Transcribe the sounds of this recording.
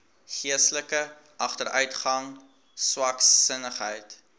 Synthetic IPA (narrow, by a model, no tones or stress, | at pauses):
χiəstləkə | ʔɐχtəɾœɥtχɐŋ | swɐksənəχɦəjt